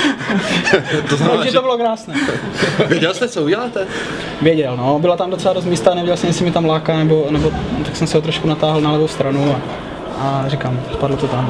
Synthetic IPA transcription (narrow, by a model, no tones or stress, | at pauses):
t̪ozʒɪobɪlokɾaːsnɛː | vjɛɟɛlst̪ɛt͡souɟɛlaːt̪ɛ | vjɛɟɛlnobɪlat̪amdt̪sɛlados̬t̪miːst̪anɛvʲjɛɟɛlsɛmjɛsɪmɪt̪amlaːkanɛbonɛbot̪aksɛmsɛɦot̪ɾoʃkunat̪aːɦlnalɛbowst̪ɾanua | arikamspadl̩t̪ot̪am